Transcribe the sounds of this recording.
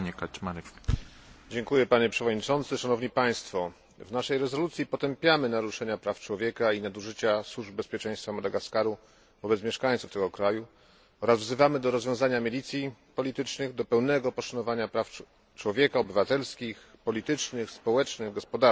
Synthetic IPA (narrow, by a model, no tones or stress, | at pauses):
ɲɛkat͡ɕmaɾɛ | d͡ʑɛŋkujɛpaɲɛpʂɛvɔd̪ɲit͡ʂɔnt̪sɘʂanɔvɲipaj̃st̪fɔ | vnaʂɛjɾɛzɔlut̪sʲjipɔt̪ɛmpʲjamɘnaɾuʂɛɲapɾaft͡ʂwɔvʲjɛkainad̪uʐɘt͡ɕaswuʐbːɛspʲjɛt͡ʂɛj̃st̪famɔd̪ɛɡaskaɾu | vɔbɛt̪smʲɛʂkaj̃t̪suft̪ɛɡɔkɾaju | ɔɾazvzɘvamɘd̪ɔɾɔzvjɔ̃w̃zaɲamʲilʲit̪sʲjipɔlʲit̪ɘt͡ʂnɘɣd̪ɔpɛwnɛɡɔpɔʂanɔvaɲapɾaf | t͡ʂwɔvʲjɛkaɔbɘvat̪ɛlskʲixpɔlʲit̪ɘt͡ʂnɘxspɔwɛt͡ʂnɘɣɡɔspɔd̪a